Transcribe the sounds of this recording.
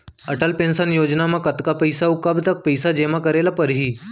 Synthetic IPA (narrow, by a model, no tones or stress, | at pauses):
əʈəlpensənjod͡ʑnamakət̪kapəjsaukəbt̪ək̚pəjsad͡ʑemakəɾelapəɾɦiː